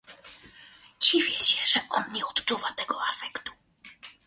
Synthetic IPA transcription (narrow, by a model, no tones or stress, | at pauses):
d͡ʑivʲjɛɕɛʐɛʔɔnɲɛɔt̪t͡ʂuvat̪ɛɡɔafɛkt̪u̥